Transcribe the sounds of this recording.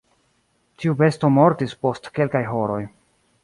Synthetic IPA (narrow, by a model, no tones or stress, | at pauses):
tiube̞sto̞mo̞ɾtispo̞stke̞lkajɦo̞ɾo̞j